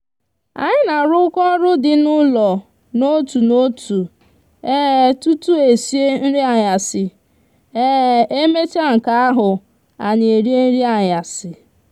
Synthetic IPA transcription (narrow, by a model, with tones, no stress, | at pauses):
a̰˨ɲɪ˦na˨ɾʊ˦kɔ˦ɾʊ˦dɪ˨nʊ˦lɔ˨ | no˦tu˨no˦tʰu˨ | e˦tu˦tu˦e˨si˦e˦n̩˦ɾi˦a˨ɲa˨sɪ˨ | e˦˨e˦me˦ta˦ŋ̩˨ka˦a˦ɦʊ˨ | a˨ɲɪ˨e˨ɾi˦e˦n̩˦ɾi˦a˨ɲa˨sɪ˨